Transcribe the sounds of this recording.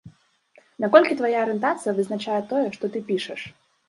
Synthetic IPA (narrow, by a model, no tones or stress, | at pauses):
nakɔlʲkʲit̪vajaːɾɨnt̪at̪sɨjɐvɨznat͡ʃajɛt̪ɔjɛʂt̪ɔt̪ɨpʲiʂɛʂ